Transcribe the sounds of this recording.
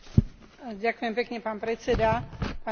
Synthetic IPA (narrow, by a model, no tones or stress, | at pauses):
ɟakʊjɛmpɛkɲɛpaːnpɾɛt͡sɛd̪apa